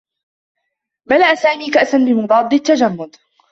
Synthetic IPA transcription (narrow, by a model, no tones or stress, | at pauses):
malaʔasaːmiːkaʔsanbɪmʊd̪ˤɑːd̪ˤːɪt̪ːad͡ʒamːʊd̪